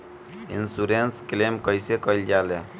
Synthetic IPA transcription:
ḭnsuɾensklemkɔjsekɔjld͡ʒale

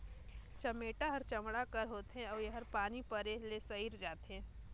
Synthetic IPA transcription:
t͡ʃɐmeːʈaɦɐɾt͡ʃɐmɽakəɾɦoːt̪eɦɛ̃ɔːɾjeɦɐɾpaːnipɐɾeɦlesɐɦiːɾd͡ʒaːt̪eɦɛ̃ː

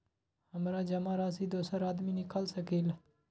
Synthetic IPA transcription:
həmɾaːd͡ʒəmaːɾaːsiːd̪oːsəɾaːd̪miːnɪkaːlsəkiːl

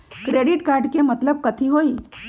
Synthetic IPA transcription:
kɾeɽiʈkaɾɖkemət̪ləb̚kət̪ʰiːɦoi

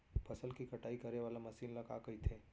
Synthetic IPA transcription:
pʰəsəlkikəʈaːikəɾeʋaːlamɐsiːnləka̰kəit̪ʰe

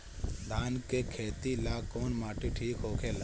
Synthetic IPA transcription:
d̪ʱaːnkekʰeːt̪ilaːkoːnmaːʈiʈʰiːkɦoːkʰel

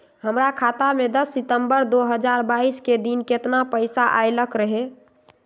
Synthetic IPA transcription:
ɦəmɾakʰat̪amed̪əsːit̪əmbəɾd̪oɦəd͡ʒaɾbaisked̪inket̪napəjsaʔa̰jləkɾəɦe

